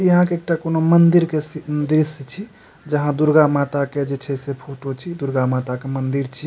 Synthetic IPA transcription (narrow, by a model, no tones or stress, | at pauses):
jəɦãkeːk̚ʈakonomənd̪iɾkesiənd̪ɾist͡ʃʰi | d͡ʒəɦãd̪uɾɡamat̪aked͡ʒet͡ʃʰɛsepʰoʈot͡ʃʰid̪uɾɡamat̪akemənd̪iɾt͡ʃʰi